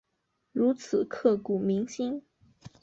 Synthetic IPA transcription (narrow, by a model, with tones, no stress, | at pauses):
ɻu˧˥t͡sʰɹ̩˨˩kʰɤ˥˩ku˨˩mi˧˥ŋɕi˥n